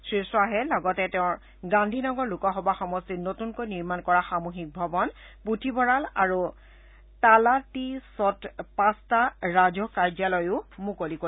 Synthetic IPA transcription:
sɹisɔaɦɛlɔɡɔtɛtɛʊ̃ɹ | ɡandʱinɔɡɔɹlukɔɦɔbaxɔmɔstinotunkojniɹmankɔɹaxamuxik̚bʱɔbɔn | putʰibʱɔɹalaɹu | talatisɔtpãstaɹazɔkaɹd͡ʒalɔjʊmukoliko

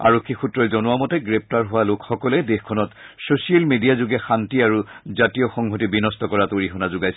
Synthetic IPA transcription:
a̰ɹokʰːixutɹɔjzɔnʊwamɔtɛɡɹep̚taɹɦʊwalokxɔkɔlɛdexkʰɔnɔtsosialmedijazuɡɛxantiaɹuzatijɔxɔŋɦotibinɔstɔkɔɹatoɹiɦɔnazʊɡajsɛ

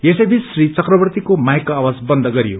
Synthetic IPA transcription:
jesʌjbʱit͡ssrit͡sʌkrʌbʌrt̪ikomajkoawad͡zbʌnd̪ʱʌɡʌɾijo

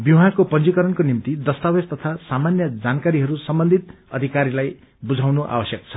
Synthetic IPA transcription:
biɦakopʌnd͡zikʌɾʌnkonimt̪id̪ʌst̪awest̪ʌt̪ʰasamanjʌd͡zankaɾiɦʌɾusʌmbʌnd̪ʱit̪̚ | ʌd̪ʱikaɾilaj | bud͡zʱawnoʔa̰wʌsjʌk̚t͡sʰʌ̥

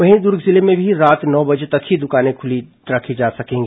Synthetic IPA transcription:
ʋɐɦĩd̪ʊɾɡʱzɪlemẽbʱiɾaːt̪nɔːbɐd͡ʒet̪ɐkɦid̪ʊkaːnẽkʰʊli | ɾɐkʰid͡ʒaːsɐkẽːŋɡiː

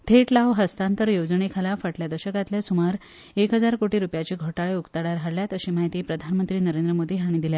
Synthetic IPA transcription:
t̪ʰeʈlaʋɦəst̪ãnt̪əɾjod͡zɳekʰalafaʈljad̪əɾɕəkat̪ljasumaɾ | ekɦəd͡zaɾkoʈiːɾupjat͡ɕiːɡʱoʈaɭeukt̪aɽaɾɦaɽljat̪əɕiːmaɦit̪iːpɾəd̪ʱanmənt̪ɾiːnəɾend̪ɾəmod̪iːɦaɽ̃ĩd̪ilja

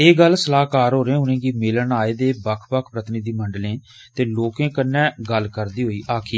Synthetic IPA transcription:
eːɡəlsəlaːɦkaːɾɦoːɾẽːʊnẽːɡiːmɪlənaːeːd̪eːbəkʰpəkʰpɾət̪ənɪːd̪iːməɳɖəlẽː | t̪eːloːkẽːkənːɛ̃ːɡəlkəɾd̪iːɦoːiːʔaːkʰiː

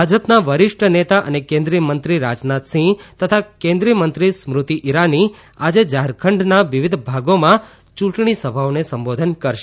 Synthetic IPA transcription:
bʱad͡ʒəpnaʋəɾɪʂʈʰənet̪aʔə̰nekẽnd̪ɾijəmənt̪ɾiɾad͡ʒnat̪sĩt̪ət̪ʰakẽnd̪ɾijəmənt̪ɾismɾʊt̪iʔiɾani | ad͡ʒed͡ʒaɦɾkʰəɳɖnaʋiʋid̪ʱbʱaɡomã | t͡ʃũʈɳisəbʱaonesəmbod̪ʱənkəɾʃe

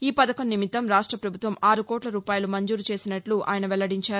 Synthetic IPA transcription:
iːpɐd̪ɐkɐmnːimit̪ːɐmɾaːʂʈɾɐpɾɐbʱut̪ʋɐmaːɾukɔːʈlɐɾuːpaːjɐlumɐɲd͡ʒuːɾut͡ʃe̞ːsinɐʈluʔa̰ːjɐnɐʋɛlɐɽiɲt͡ʃaːɾu

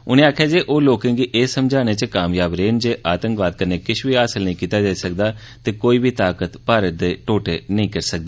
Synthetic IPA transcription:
ʊnẽaːkʰjaːd͡ʒiːʔoːloːkẽːŋɡiʔeːsːəmd͡ʒʱaːneːt͡ʃəkaːmjaːbɾeːnd͡ʒeːʔaːt̪ə̃ŋkʋaːd̪̚kəneːkɪʃbiːaːsəlnəɦĩːkiːt̪aːd͡ʒaːiːsəkd̪aː | t̪eːkoːiːbʱiːt̪aːkət̪paːɾət̪̚d̪eːʈoːʈeːnəĩːkəɾsək̚d̪eː

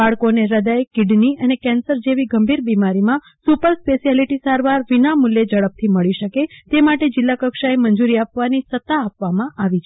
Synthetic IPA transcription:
baɭkoneɾəd̪ajkɪɖniənekɛ̃nsəɾd͡ʒeʋiɡəmbʱiɾbimaɾimã | supəɾspesijaliʈisaɾʋaɾʋinamuljed͡ʒəɭəp̚t̪ʰiməɭiʃəket̪emaʈed͡ʒɪlːakəkʃaeməɲd͡ʒuɾiapʋanisət̪ːaːpʋamãʔaʋit͡ʃʰ

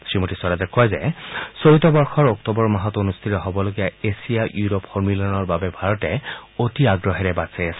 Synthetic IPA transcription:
sɹimotisɔɾazɛkʰɔjzɛ̰soɹitɔbɔɹxɔɹɔktɔbɔɹmaɦɔtonust̪ʰitɔɦɔbɔloɡijaesijaʔjuɹɔpxɔɹmilɔnɔɹbabɛbʱaɹɔtɛotiaɡɹɔɦɛɹɛbasajasɛ

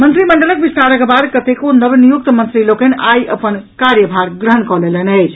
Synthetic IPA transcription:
mənt̪ɾiməɳɖələk̚bist̪aɾəɡbaɾkət̪ekonəbnijuk̚t̪mənt̪ɾilokenʔajʔə̰pənkaɾjəbʱaɾɡɾəɦənkɔlelenəjt͡ʃʰ

